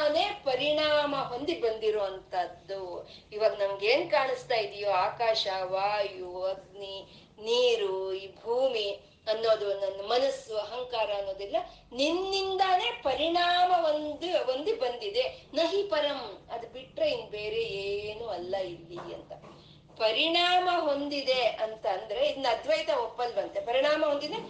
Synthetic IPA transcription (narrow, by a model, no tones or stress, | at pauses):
ne̞ːpɐɾiɳaːmɐɦond̪ibɐnd̪iɾoːʋɐnt̪ʰɐd̪ːuiʋɐɡ̪nɐmɐɡeːnkaːɳist̪aːjid̪ijoːaːkaːʃɐʋaːjuɐd̪ni | niːɾuiːbʱuːmi | ɐnːo̞ːd̪unɐnːumɐnɐsːuɐɦɐŋkaːɾɐɐnːo̞ːd̪ilːɐ | ninːind̪ɐne̞ːpɐɾiɳaːmɐʋond̪uond̪ubɐnd̪id̪e̞nɐɦipɐɾɐmɐd̪ubiʈɾeind̪be̞ːɾeeːnuɐlːɐilːiɐ̰nt̪ɐ | pɐɾiɳaːmɐɦo̞nd̪id̪e̞ɐnt̪ɐːnd̪ɐɾe̞id̪nɐd̪ʋɐjt̪ɐopːɐlbɐnt̪epɐɾiɳ̃aːmɐɦond̪id̪e̞